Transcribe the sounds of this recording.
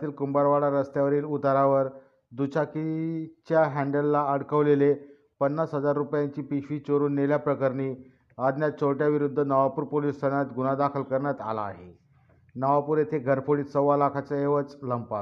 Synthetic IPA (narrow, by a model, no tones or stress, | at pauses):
t̪iːlkumbaɭʋaɽaɾəst̪jaʋəɾiːlut̪aɾaʋəɾ | d̪ut͡ɕakit͡ɕjaɦæ̃ɳɖəlːaəɽkəʋlele | pənːasɦəd͡zaɾːupjaɲt͡ɕiːpiɕʋiːt͡ɕoɾuːnːeljapɾəkəɾniː | əd̪njat̪̚t͡ɕʰoʈjaʋiɾud̪ʱːənəʋapuːɾpolist̪əɳjat̪ɡunad̪akʰəlkəɾɳjat̪a̰laːɦe | nəʋapuɾet̪ʰeɡʱəɾfoɽiːt̪səʋʋalakʰat͡səeʋət͡sləmpa